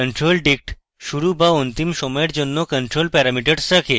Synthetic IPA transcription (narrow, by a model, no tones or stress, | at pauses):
əɳʈɾolɖik̚ʈ | ɕuɾubaunt̪imsɔmeʈd͡ʑonːokəɳʈɾolpɛɾamiʈəɽsəkʰe